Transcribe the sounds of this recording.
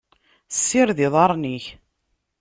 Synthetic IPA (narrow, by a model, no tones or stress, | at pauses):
sːɪɾðɪðˤɑɾˤniç